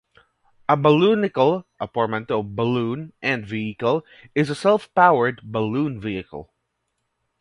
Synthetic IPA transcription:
əbəlunɪkəlˠʔəpɔɹmɨ̃ntɔvbəlũnʔɨ̃nviɨkəlˠ | ɪzəsɛlˠfpaʊə˞d̚bəlũːnviɨkə̰l̩ˠ

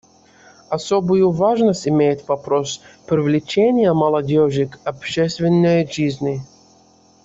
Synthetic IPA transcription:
ɐsobʊjʊvaʐnəsʲtʲɪmʲejɪt̪vɐpɾospɾʲɪvlʲɪt͡ɕenʲɪjəmɐlˠɐdʲoʒɪkɐpɕɛst̪vʲɪnːəjʐizʲnʲɪ

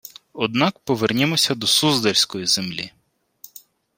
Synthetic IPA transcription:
ɔd̪nɑkpɔʋernʲemɔsʲɐd̪ɔsuzd̪elʲsʲkɔjizemlʲḭ

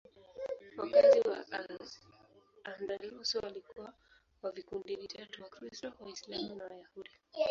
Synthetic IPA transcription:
wakaziwa̰ | andaɾiusualikuwa | wavikundivitatuwakɾistɔwaislamunawajahudi

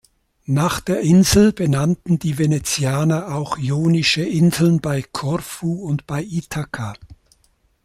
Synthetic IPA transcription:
naːχd̥eːɐʔɪnzl̩b̥ənantn̩diːvenet͡sjaːnɐaʊxjoːnɪʃəʔɪnzl̩nbaɪkʰɔʁfuːʊntb̥aɪʔitʰakʰa

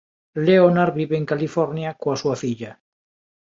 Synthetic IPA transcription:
leonaɾβiβeːŋkalifoɾnjakoasuaθiʎa

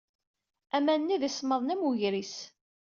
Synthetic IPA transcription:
æmænnːiðisməðˤnæmuʝɾis

